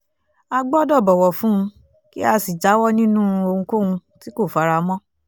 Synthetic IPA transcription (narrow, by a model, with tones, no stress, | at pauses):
a˧ɡ͡bɔ˦dɔ˦˨bɔ˨wɔ˨fũ˦ũ˧ | ki˦a˧si˨d͡ʒa˨˦wɔ˦nĩ˦nũ˦˧o˧ŋ̩ũ˧ko˦hũ˧ti˦ko˦˨fa˨˧ɾa˧mɔ̃˦